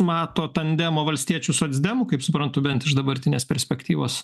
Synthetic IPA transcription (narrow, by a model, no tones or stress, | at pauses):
mɑːt̪oːt̪ɐnd̪ʲæmoːʋɐlʲsʲt̪ʲiɛt͡ʃʲusoɐd̪zʲd̪ʲæmʊkɐɪpsʊpɾɐnt̪ʊbʲɛnt̪ɪʃd̪ɐbɐɾʲt̪ʲɪnʲeːsʲpʲɛɾʲsʲpʲɛkt̪ʲiːʋoːs